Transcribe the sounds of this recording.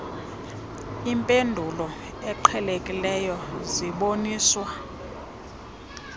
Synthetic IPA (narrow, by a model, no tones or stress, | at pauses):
impʼendʱulɔ | ɛǃʰɛlekʼilɛjɔziɓoniːswa